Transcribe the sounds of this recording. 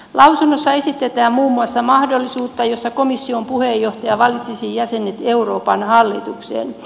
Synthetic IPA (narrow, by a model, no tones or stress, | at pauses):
lɑwsunːosːɑe̞sit̪ːet̪æːmmuːmːuɑsːɑmɑhdolːisuːt̪ːɑjosːɑkomisːiompuhejːoht̪ɑjɑʋɑlːˑit̪sisijjæsenet̪euroːpɑnhɑlːit̪uksḛːn